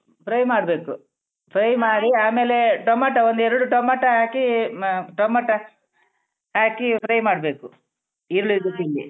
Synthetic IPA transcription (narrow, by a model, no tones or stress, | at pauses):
pʰɾɐjmaːɽɐbe̞ːku | pʰɾɐjmaːɽiaːmeːleʈomaːʈɐʋond̪ɛɾɐɽuʈomaːʈɐaːkiʈomaːʈɐ | aːkipʰɾɐjmaːɽɐbeːku | iɾuɭuid̪ukilːḭ